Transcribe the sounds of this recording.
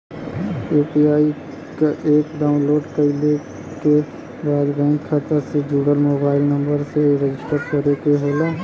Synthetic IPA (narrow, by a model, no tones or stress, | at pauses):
juːpiaːi | kaʔeːkɖaːʊ̃nloːɖkəɪle | ke | baːd̪bɛ̃ŋkʰːat̪əsed͡ʒuːɡəlmoːbaːɪlnɐ̃mbəɾseɾed͡ʒɪsʈəɾkɐɾekeɦoːlaː